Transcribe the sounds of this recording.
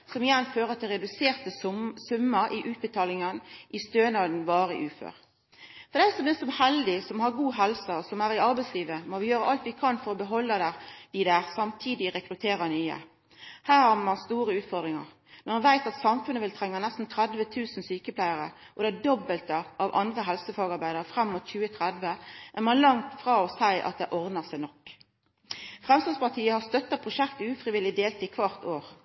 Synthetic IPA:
sɔmɪjɛnføːʁət̪ʰɪlʁɛd̪ʉseːʁt̪əsʉmːəɾɪʔʉːt̪̚bət̪ʰɑːlɪŋənʔɪst̪øːnɑd̪n̩ʋɑːɾəʔʉːfø̰ːʁ | fɔd̪ɛsɔmbɪnsɔmhɛld̪ɪsɔmhɑɾɡuːɦɛlsɑɔsɔmæʁɪɑɾbæɪsliːʋəmɔʋɪjøːɾəʔɑlt̪ʋɪkʰɑnfɔɾɔbəɦɔlːəd̪æd̪̥ɪd̪æːʁsɑmt̪ʰiːd̪ɪʁɛkɾʉt̪ʰeːɾɑnyːə̰ | hæːʁhɑʁmɑnst̪uːɾəʉːt̪fɔɾd̪ɾʁɪŋɑ̰ʁ | mɑnʋæɪt̪ɑt̪sɑmfʉnːəʋɪlt̪ʰʁɛŋːɑnæst̪n̩t̪ʰɾæd̪ʋət̪ʰʉːsn̩syːkəpʰlæɪəʁə̰ | ʔɔd̪æd̪ɔbəlt̪əʔɑʋʔɑ̰nd̪ʁəɦɛlsəfɑːɡɑɾbæɪd̪əʁəfʁɛmːʊt̪çʉːət̪ʰʁæd̪ʋəʔæmɑnlɑŋt̪fʁɑːɔsæɪʔɑ̰t̪̚d̪ɛʔɔʁd̪nəsæɪnɔkː | fʁɛmst̪lɑspɑʁt̪ʰiːəhɑst̪œt̪ːɑpʰʁʊʃɛkt̪əʉːfɾɪʋɪlɪd̪eːlt̪ɪkʰʋɑʁt̪oːʁ

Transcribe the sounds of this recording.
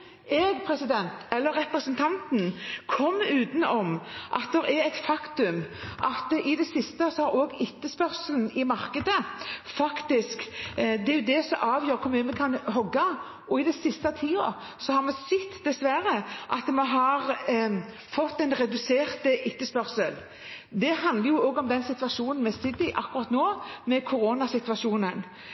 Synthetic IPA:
ɛːɡpʰɾɛsɪd̪ɛnt̪ɛlːəɾːɛpɾəsənt̪ʰɑnt̪n̩kʰɔmːʉːt̪n̩ɔmʔɑ̰t̪̚d̪ɛɾɛɾɛt̪fɑkt̪ʉmʔɑt̪ɪd̪ɛsɪst̪əsɔhɑɾoːɡɪt̪ːəspœʁsəln̩ɪmɑʁkəd̪əfɑkt̪ɪskd̪ɛæɾjʊd̪ɛsɔmʔɑːʋjøːɾkʰʊmɛmɛkʰɑnɦɔɡːɑ | ɔɪd̪ɛsɪst̪ɑt̪ʰiːɑ̰ | sɔhɑɾmɛsɛt̪ːd̪ɛsʋæɾəʔɑt̪mɛɦɑʁ | fɔt̪ːɛɪnɾɛd̪ʉseːʁt̪ʔɪt̪ːəspœʁsəl | d̪ɛɦɑnd̪ləɾjʊoːɡɔmd̪ɛnsɪt̪ʋɑʃuːnn̩mɛsɪd̪ːɪʔɑkːʉʁɑt̪noːmɛkʰʊɾoːnɑsɪt̪ʋɑʃuːnən

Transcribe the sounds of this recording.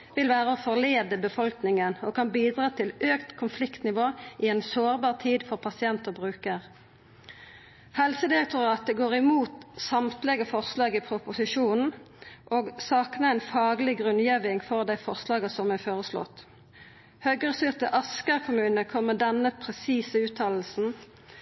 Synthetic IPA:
ʋɪlʋæːʁəoːfɔʁleːd̪əbəfɔlknɪŋənokʰɑnbiːd̪ʁɑːt̪ʰɪløːkt̪kʰʊnflɪkt̪nɪʋoːʔɪɛːnsoːʁbɑːʁt̪ʰiːd̪fɔʁpʰɑsɪɛnt̪əʁbʁʉːkəʁ | hɛlsəd̪ɪʁɛk̚t̪ʊʁɑːt̪əɡoːʁɪmuːt̪sɑmt̪lɛɡəfɔʁslɑːɡipʰʁʊpʊsɪʃuːnn̩ | ʔoːɡsɑːknəæɪnfɑːɡlɪɡʁʉnjeːʋɪŋfɔʁd̪æɪfɔʁslɑːɡəsɔmæfoːʁəslɔ̰t̪ | høːɡʁəsʏʁt̪əʔɑskəʁkʰʊmʉːnəkʰɔmːəd̪ɛnːəpʰʁɛsiːsəʉːt̪ʰɑːll̩sn̩

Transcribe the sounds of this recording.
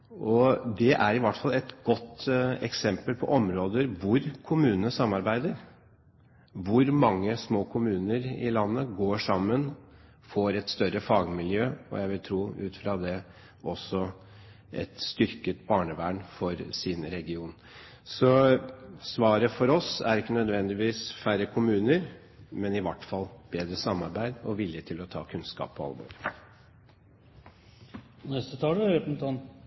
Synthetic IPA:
ʔɔd̪ɛʔæɾɪʋɑʈfɑlɛt̪ɡɔt̪ːɛksɛmpəlpʰɔʔɔmɾoːd̪əɾʋʊɾkʰʊmʉːnənəsɑmːɑɾbæɪd̪əɾ | ʋʊɾmɑŋːəsmoːkʰʊmʉːnəɾɪ̰lɑnːəɡoːʂɑmːən | foːɾɛt̪st̪œɾəfɑːɡmɪljøːɔ̰jæɪʋɪlt̪ʰɾuːʉːt̪fɾɑd̪ɛ | ɔsːɔ | ʔɛ̰t̪st̪ʏɾkət̪bɑːɳəʋæːɳfɔɾsɪnɾɛɡɪuːn | sɔ | sʋɑːɾəfɔɾɔsæɾɪkːənœd̪ʋɛnd̪ɪʋiːsfæɾəkʰʊmʉːnəɾ | mɛnɪʋɑʈːfɑlb̥eːd̪ɾəsɑmːɑɾbæɪd̪ɔ̰ʋɪljət̪ʰɪlɔt̪ʰɑ̰ːkʰʉnskɑ̰ːpʰːɔɑ̰lbɔ̰ɾ | nɛst̪ət̪ʰɑːləɾɛpn̩t̪ɑn

